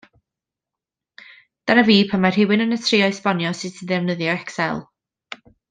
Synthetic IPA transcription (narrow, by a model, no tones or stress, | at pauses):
d̥anaviːpʰanmar̥hɪwɪnənətʰriːɔjspɔnjɔsɪtʰəðɛvnəðjɔɛksɛlˠ